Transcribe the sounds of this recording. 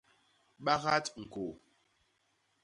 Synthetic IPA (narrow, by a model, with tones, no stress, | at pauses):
ɓa˦ɣa˦tŋ̩˨ko˨